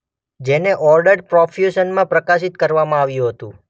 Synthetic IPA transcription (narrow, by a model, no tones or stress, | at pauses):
d͡ʒeneʔɔɾɖəɾɖpɾɔfʰjuʃənmãpɾəkaʃit̪kəɾʋamãaʋjũɦət̪ũ